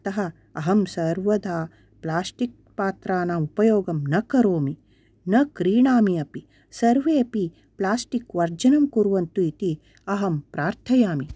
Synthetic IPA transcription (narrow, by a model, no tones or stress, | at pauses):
t̪ɐɦɐ | ɐɦɐmsɐɾʋɐd̪aː | plaːsʈik̚paːt̪ɾaːnaːupɐjoːɡɐmnɐkɐɾoːmi | nɐkɾiːɳaːmiɐpi | sɐɾʋeːɐpi | plaːsʈikʋɐɾd͡ʒɐnɐmkuɾʋɐnt̪uit̪i | ɐɦɐmpɾaːɾt̪ʰɐjaːmi